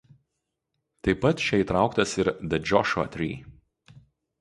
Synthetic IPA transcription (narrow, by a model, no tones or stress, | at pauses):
t̪ɐɪpːɐt̪ʃʲɛiːˑt̪ɾɑˑʊkt̪ɐsɪɾd̪ʲɐd͡ʒʲɔʃɐ̰t̪ʲɾʲḭː